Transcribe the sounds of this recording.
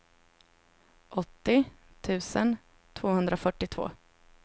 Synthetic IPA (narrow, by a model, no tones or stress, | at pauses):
ʔɔt̪ːɪ | t̪ʰʉ̟ːsən | t̪ʰvoːhɵnd̪ɾafœʈːɪt̪ʰv̥o̰ː